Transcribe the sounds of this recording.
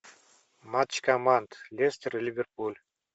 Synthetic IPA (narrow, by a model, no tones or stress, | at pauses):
mat͡ʃkamant̪lʲest̪ʲerlʲivʲerpulʲ